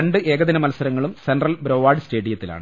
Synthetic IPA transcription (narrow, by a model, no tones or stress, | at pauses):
ɐɳɖɨʔe̞ːɡɐðinɐmɐlɐsɐɾɐŋːɐɭumsenɖrɐlbɾo̞ːʋaːɖɨsʈe̞ːɖijɐt̪ːila̰ːɳɨ